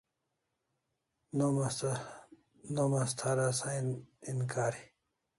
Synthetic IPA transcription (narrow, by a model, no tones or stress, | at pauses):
nom | nomast̪ʰaɾasaininkaːɾi